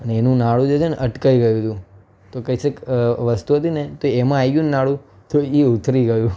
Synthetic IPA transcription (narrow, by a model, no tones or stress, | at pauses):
əneenũnaɭũd͡ʒet͡ʃʰeneʔəʈkaiɡəjũt̪ũ | t̪okəisəkʋəst̪uɦət̪inet̪oemãaiɡjũnnaɭũ | t̪oiut̪ʰɾiɡəjũ